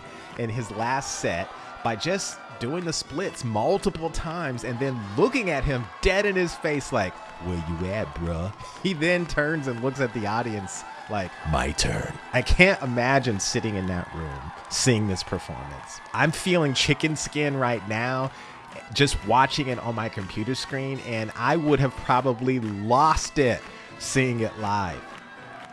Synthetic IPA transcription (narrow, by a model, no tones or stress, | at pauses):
ʔɨ̃nɪzlæstsɛt̚ | b̥aɪd͡ʒʌs | d̥uɪ̃ŋðɨsplɪtsmʌlˠtəpl̩ˠtʰãɪ̃mzɨ̃nðɨ̃nlʊkɪ̃ŋɨt̚ɦɪ̃md̥ɛɾɨ̃nɨz̥feɪslaɪk | wɪjɨæd̚bɹʌ | iðɨ̃ntʰɜ̃˞nzɨ̃nlʊksɨt̪̚ðiɔɾiɨ̃ns | laɪkma̰ɪtʰɜ̰̃˞n | aɪkʰæ̃ntəmæd͡ʒɨ̃nsɪɾɪ̃ŋɨ̃nðɨ̰ʔ̚ɹʉ̰̃m | siɪ̃ŋðɪspʰə˞fɔ̰ɹmɨ̰̃ns | ʔãɪ̃ɱfilˠɪ̃ŋt͡ʃʰɪkɨ̃nskɪ̃nɹaɪtⁿnaʊ̥ | d͡ʒʌst̚wɑt͡ʃɪ̃ŋɨɾn̩maɪkʰɨ̃m̩pʰj̥ʉɾə˞skɹĩnʔɨ̃na̰ɪwʊɾ̚ɨv̥pʰɹ̥ɑbəblilɔstɪt̚ | siɪ̃ŋɪʔlaɪv̥